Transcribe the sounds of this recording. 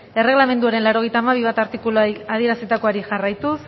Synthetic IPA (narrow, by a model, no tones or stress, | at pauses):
e̞re̞ɣ̞lame̞nd̪uaɾe̞nlaɾo̞ɣ̞e̞jt̪aːmaβ̞iβat̪aɾt̪ikulað̞ie̞ɾaset̪ako̞aɾiʝarajt̪us